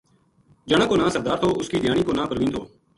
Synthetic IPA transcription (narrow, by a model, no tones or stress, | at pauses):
d͡ʒəɳãːkoːnãːsəɾd̪aːɾt̪ʰoːʊskiːd̪ɪjaːɳiːkoːnãːpəɾʋĩːnt̪ʰo̰ː